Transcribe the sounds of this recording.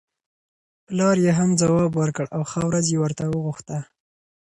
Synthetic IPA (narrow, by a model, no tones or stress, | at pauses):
plɑɾjeɦamd͡zawɑbwəɾkəɽawxawɾazjewəɾt̪awəɣuxt̪a